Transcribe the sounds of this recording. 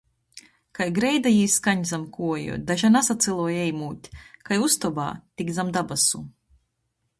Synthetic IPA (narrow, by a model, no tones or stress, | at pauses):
kajɡɾɛjd̪ajiːskaɲzamkuɔjṵd̪aʒanasat̪sɛlˠuɔjɛjmuːt̪ʲkajust̪ɔba̰ːt̪iɡd̪zamd̪abasu